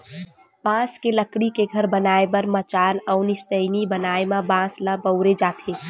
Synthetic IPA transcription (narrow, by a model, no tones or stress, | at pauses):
b̥ãːskeləkɽikeɡʱəɾbənaːebɐɾmət͡ʃaːnəʊnist̪əɪnibənaːemãbãːslabəʊɾed͡ʒaːt̪ʰeː